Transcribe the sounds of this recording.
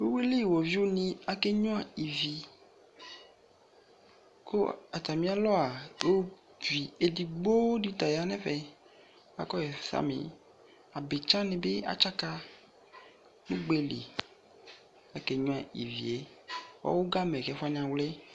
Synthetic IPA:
wo˦we˦li˦˨wo˨vi˦wo˦nĩ˦a˨ke˦ɲɔ̃˦a˨i˨vi˨ | ko˦a˨t̪a˨mĩ˦a˦lɔ˦a˨o˦ | vi˨e˨di˨ɡ͡bo˦di˦t̪a˨ja˨nɛ̃˦fɛ˨˦ | a̰˨kɔ˦je˨fsa̰˦mḛ̃˨ | a˨be˨t͡ʃã˦nẽ˨be˦a̰˨t͡ʃa˦ka˦ | nũ˦ɡ͡be˦lḭ˨ | a˨ke˨ɲɔ̃˦a˨ḭ˨vḭ˨e˨˦wa̰˦wo˦ɡa˦mɛ̃˨kɛ˨˦fa˦nĩ˨a˨wlɛ˦

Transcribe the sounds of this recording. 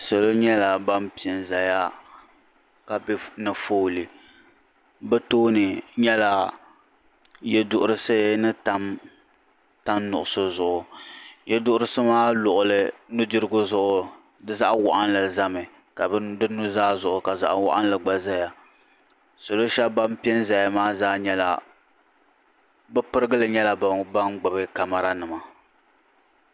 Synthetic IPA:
so˨lo˦ɲɛ˦la˨ba˦mpi˨ɛ˨nza˨ja˦ | ka˨bɪ˦nɨ˨foː˦lɨ˨ | bɛ˦toː˦nɨ˨ɲɛ˦la˨ | jɛ˦dʊ˨ʔʊ˦ɾɨ˦sɨ˦nɨ˦ta˨˦m | ta˦nːʊ˨ʔʊ˨so˦zʊ˨ʔʊ˨jɛ˦dʊ˦ʔʊ˦ɾɨ˦sɨ˦maː˦lʊ˨ʔʊ˨lɨ˦nu˦dɨ˦ɾɨ˦ɡʊ˦zʊ˦ʔʊ˨ | dɨ˦za˦ʔwa˨ʔa˦nlɨ˨za˦mɨ˨ | ka˨bdɨ˦nu˦zaː˦zʊ˨ʔʊ˨ka˨za̰˨ʔwa̰˦ʔa˦nlɨ˨ɡ͡ba˨za˦ja˨ | so˨lo˦ʃa˦ba˦m˦pi˦ɛ˦nza˨ja˨maː˦zaː˦ɲɛ˦la̰˨ | bɨ˦pɨ˦ɾɨ˦ɡɨ˦lɨ˨ɲɛ˦la˦ba˨ba˦ŋɡ͡ba˨bɨ˦ka˨ma˨ɾa˦nɨ˨ma˨

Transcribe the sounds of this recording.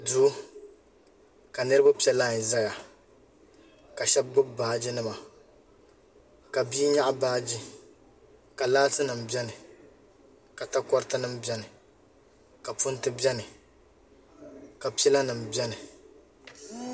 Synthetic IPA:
du˦ | ka˨nɨ˦ɾɨ˦ba˦pi˦ɛ˦la˦˨ɲ˨za˦ɡa˨ | ka˨ʃɛ˦b̚ɡ͡bʊ˦baː˨˦d͡ʒi˦nɨ˦ma˨ | ka˨bi˦ɲa˦ʔbaː˦d͡ʒi˦ | ka˨laː˦tɨ˦nɨ˨m̩˨bɛ˦nɨ˨ | ka˨ta˦kɔ˦ɾɨ˦tɨ˦nɨ˦mbɛ˦nɨ˨ | ka˨pu˦n˦tɨ˦bɛ˦nɨ˨ | ka˨pi˦ɛ˦la˦nɨ˨m̩˨bʲɛ˦nɨ˨

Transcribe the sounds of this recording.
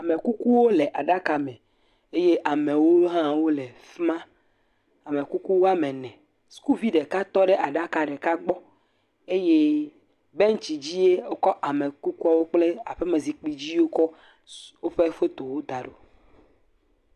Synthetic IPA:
a˨me˨ku˦ku˦wo˦le˨ʔa˨ɖa˦ka˨mɛ̃˨ | e˦je˦ʔa˨mẽ˨wo˦ɦã˦wo˦le˨fmã˦ | a˨me˨ku˦ku˦wo˦a˦mẽ˨nɛ̃˨ | su̥˦ku˦vi˦ɖe˨ka˦t̪ɔ˦ɖe˦a˨ɖa˦ka˨ɖe˨ka˦ɡ͡bɔ˦ | e˦je˦ | be˦ŋ̩˦t͡ɕi˨d͡ʑi˦je˦o˦kɔ˦ʔa˨me˨ku˦ku˦a˦wo˦k͡ple˦a˨ɸe˦me˨zi˨k͡pi˨d͡ʑi˦wo˦kɔ˦ | wo˦ɸe˦ɸe˦t̪o˨wo˦d̪a˨ɖo˨

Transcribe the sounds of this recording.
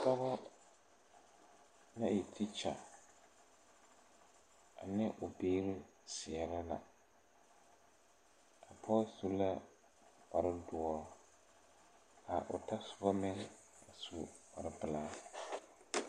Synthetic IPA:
ka˦bɔ˦ | na˦ɪ˨tʰɪ˦t͡ʃa˨ | a˨nɪ˦ʔʊ˨beː˦ɾɪ˦ | sɪ˨ɛ˨ɾɪ˦la̰˨ | a˨pʰɔ˦su˦la˦ | pa˨ɾɪ˦dʊ˨ɔ˦ | a˨ʔʊ̰˨ta˦sʊ̥˨ba˦mɪ˦ŋ | a˨su˦wa˨ɾɪ˦bɪ˨laː˦

